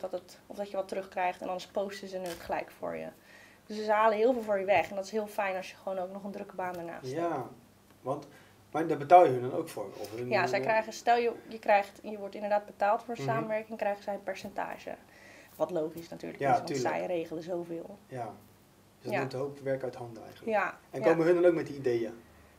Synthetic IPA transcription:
ɔdɔtətɔvdɑtjəʋɑtərɵχkrɛjχtɛndɑndəspowstəzənətχəlɛjkfʊ̰ːɹjə̰ | d̥øszəɦaːləɦɪːlˠvɪːlˠvʊːɹjəʋɛχɛndɔtɪ̥sɦɪːlˠfɛjnɑsjəχəʋownowknɔχəndrɵkəbaːndəɹna̰ːs | ʋɑnt | madɔbətaːlˠjəədɔno̰wkfʊ̰ːɹ̰ɔ̰fjazɛjkrɛjχəstɛlˠjəjəkrɛjχtjəʋɔɹtɪndəɹdaːd̚bətaːlˠtfʊːɹən̩saːmənʋɛɹkɪŋkrɛjχəzɛjənpɛɹsɛnta̰ːʒə̰ | ʋɑtlowχisnaty̰ːɹləkɪsʋɑnsɛ̰jrejχələzowvɪːlˠja | sɔutəɦowpʋɛɹkœtɦɑndəɛ̰jχənləjaɛnkoməɦəndɔnowkmɛt̚diidejə

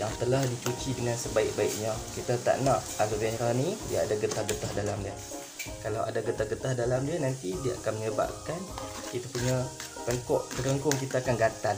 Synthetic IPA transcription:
jaŋt̪əlahdit͡ʃut͡ʃidəŋansəbaɪk̚baɪʔ̚ɲakit̪at̪a̰ʔnaʔaluvɛnɾanidiaadaɡət̪ahɡət̪ahdalamdiə | kalawʔa̰daɡət̪ahɡət̪ahdalamdiənant̪idiaʔakanməɲəba̰p̚kan | kit̪apuɲapəŋkɔʔt̪əɾəŋkʊŋk̬it̪aːkanɡat̪an

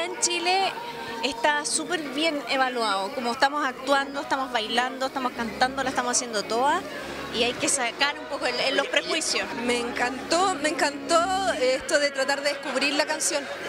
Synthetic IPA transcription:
ent͡ʃile | est̪asupe̞ɾβje̞neβalwaokomoest̪amosak̚t̪wand̪oeht̪amo̞zβajland̪o̞eht̪amo̞skant̪and̪o̞lase̥t̪amosasje̞nd̪ot̪o̞ða | iajke̞sakaɾumpokoelelːospɾe̞xwisjosmeːŋkant̪omeŋkant̪oeht̪oðet̪ɾat̪aɾðeðehkuβɾiɾlakansjon

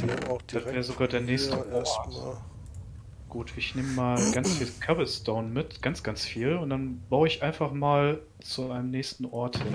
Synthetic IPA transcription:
d̥d̥atvɛːʁəzoɡaːɐdeːɐnɛːçstəʔɔɐt | ɡ̥uːtɪçneːməmaːlɡant͡sfiːlkʰavəstoʊnmɪtɡ̥ant͡sɡ̥ant͡sfiːlʊntd̥anb̥aʊəɪçʔaɪnfaχmaːl | t͡suʔaɪnəmnɛːçstn̩ʔɔɐthɪn

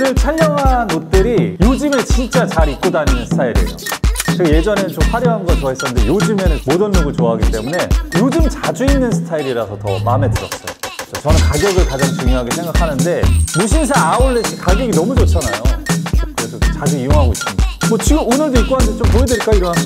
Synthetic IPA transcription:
nɯɭt͡ɕʰaʎːʌŋanot̚t͈ɯɾijod͡ʑime̞t͡ɕint͡ɕ͈at͡ɕaɾik̚k͈odaɲinɯnsʰɯ̥tʰaiɾḭḛjo̰t͡ɕeɡaje̞d͡ʑʌnenɯnt͡ɕomɸwaɾjʌɦanɡʌɭt͡ɕoaɦes͈ʌnːɯnde̞jod͡ʑime̞nɯnmodɯnːoɡɯɭt͡ɕoaɦaɡit͈e̞mune̞jod͡ʑɯmt͡ɕad͡ʑuinːɯnsʰɯ̥tʰaiɾiɾasʰʌtʌ̰mame̞dɯɾʌ̰s͈ʌjoot͡ɕʰʌt͡ɕʌnɯnkaɡjʌɡɯɭkad͡ʑaŋt͡ɕuŋjoɦaɡesʰe̞ŋɡakʰanɯnde̞muɕʰins̬ʰaaoɭːeɕʰikaɡjʌɡinʌmud͡ʑot͡ɕʰanajokɯɾe̞sʰʌtot͡ɕaɡɯijoŋɦaɡois͈ɯnidmʌt͡ɕiɡɯmonɯɭdoik͈oɦanndʰet͡ɕompoedweɭk͈aiɾʌnɦa

